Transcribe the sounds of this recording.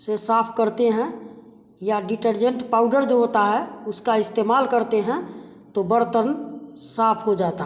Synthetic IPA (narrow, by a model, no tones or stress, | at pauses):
sesaːpʰkəɾt̪eɦɛ̃ | jaɖɪʈəɾd͡ʒə̃ɳʈpaːʊɖəɾd͡ʒoɦot̪aɦɛʊskaɪst̪eːmaːlkəɾt̪eɦɛ̃ | t̪obəɾt̪ənsaːpʰɦod͡ʒaːt̪aɦ